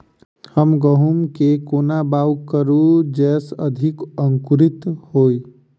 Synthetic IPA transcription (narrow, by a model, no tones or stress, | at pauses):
həmɡəɦumkekoːnabawkəɾud͡ʒɛːsəd̪ʱikəŋkuɾit̪hoːi